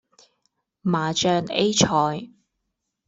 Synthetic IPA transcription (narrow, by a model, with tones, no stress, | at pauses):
maː˨t͡ʃœː˧ŋḛ˥jt͡ʃʰɔː˨˧j